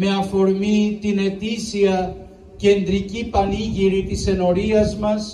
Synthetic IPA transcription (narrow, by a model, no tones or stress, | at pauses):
me̞ɐfo̞ɾmit̪ine̞t̪isiɐ | ce̞nd̪ɾicipɐniʝiɾit̪ise̞no̞ɾiɐzmɐs